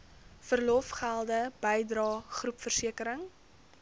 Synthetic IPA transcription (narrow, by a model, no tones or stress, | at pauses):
fərlɔfχælˠdəb̥əjdrɑːχrupfərsiəkəɾəŋ